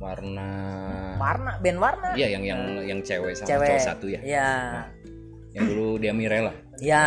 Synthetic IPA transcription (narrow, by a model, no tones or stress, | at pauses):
warnawarnabɛnwarnajajaŋjaŋjaŋt͡ʃewɛsamɛwɛsat̪ujajaa | jaŋduludiamiɾelah | ja